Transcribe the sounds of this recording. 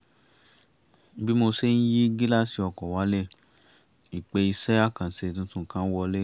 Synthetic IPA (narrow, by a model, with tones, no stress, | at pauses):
bi˦mo˧se˦n̩˦ji˦ɡi˦la˦˨si˧˦ɔ˧˨kɔ˨wa˨˦le˦˨ | i˨k͡pe˧i˧sɛ˦a˦˨kã˨se˧˨tũ˧˦tũ˦˨kã˦n̩˦wɔ˧le˦